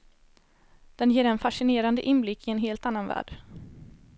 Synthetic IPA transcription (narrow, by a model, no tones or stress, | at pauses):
d̪̥ɛnjeːɾɛnfaʂɪneːɾand̪əʔɪnblɪkːɪɛnɦeːlt̪anːanvæ̰ːɖ̥